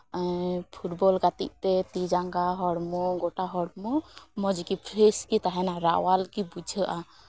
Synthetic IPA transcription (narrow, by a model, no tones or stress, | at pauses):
pʰuʈbɔlɡat̪iʔ̚t̪ɛt̪id͡ʒaŋɡaɦɔɽmɔɡɔʈaɦɔɽmɔmɔd͡ʒikipʰɾeskit̪aɦɛnaɾa̰ʔwalkibud͡ʒʱəʔa